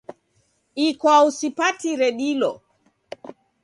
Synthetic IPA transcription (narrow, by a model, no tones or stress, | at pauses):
ikwausipatiɾɛɗilɔ